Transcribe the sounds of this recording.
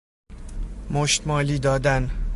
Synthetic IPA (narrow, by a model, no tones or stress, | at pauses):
moʃt̪mɒːliːd̪ɒːd̪æn